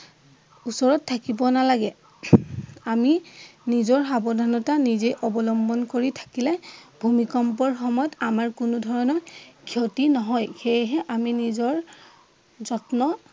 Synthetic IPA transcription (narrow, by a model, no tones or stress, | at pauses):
usɔɹɔtʰːakibɔnalaɡɛ | aminizɔɹxabɔdʱanɔtanizejʔɔbɔlɔmbɔnkoɹitʰḁkilɛbʱumikɔmpɔɹxɔmɔjɔtamaɹkunʊdʱɔɹɔnɔkʰiotinɔɦɔjxejɦɛʔaminizɔɹ | zɔtnɔ